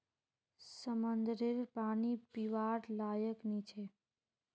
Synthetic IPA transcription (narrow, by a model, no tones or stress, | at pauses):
səmənd̪ɾɪɾpaːnipiʋaɾlajəknit͡ʃʰe